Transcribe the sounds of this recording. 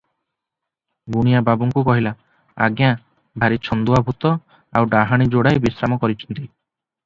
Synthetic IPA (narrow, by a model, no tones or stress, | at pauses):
ɡuɽ̃ijababuŋkukɔɦila | a̰ɡja | bʱaɾit͡ʃʰɔnd̪uabʱut̪ɔ | awɖaɦaɽ̃id͡ʒoɽajbisɾamɔkɔɾit͡ʃʰɔ̥nt̪i